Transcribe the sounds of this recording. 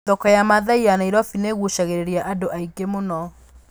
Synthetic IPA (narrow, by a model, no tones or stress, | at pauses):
ɔkɔjamaðaianaiɾɔfineɣuʃaɣeɾeɾiaʔadoʔaiɡemonɔ